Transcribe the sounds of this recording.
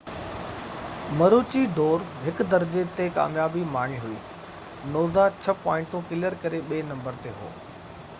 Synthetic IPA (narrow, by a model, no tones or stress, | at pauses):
mɐɾuːt͡ɕid̪ɔːɾɦɪkd̪ɐɾd͡ʑet̪eka̰ːmjaːbimaːɳ̤̃iɦʊḭː | noːzat͡ɕʰɐpɔːɪ̃ɳʈũkɪləɾkɐɾeɓeːnɐ̃mbəɾt̪eɦo̰ː